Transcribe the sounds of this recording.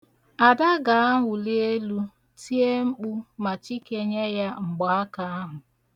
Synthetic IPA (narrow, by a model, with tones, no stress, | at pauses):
a˨da˦ɡa˨a˦ɦʊ˨li˦e˦lu˦ | ti˦e˦ŋ͡m̩˦k͡pu˦ma˨t͡ʃi˦ke˨ɲe˦ja˦ŋ͡m̩˨ɡ͡ba˨a˦ka˨a˦ɦʊ˨